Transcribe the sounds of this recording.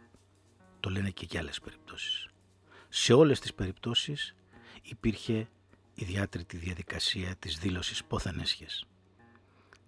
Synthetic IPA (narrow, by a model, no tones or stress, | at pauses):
t̪o̞le̞ne̞ce̞ceɐle̞spe̞ɾip̚t̪o̞si̥sː | e̞o̞le̞st̪i̥spe̞ɾipt̪o̞sis | ipiɾçe̞ | iðjɐt̪ɾit̪iðjɐðikɐsiɐt̪izðilo̞sispo̞θenesçes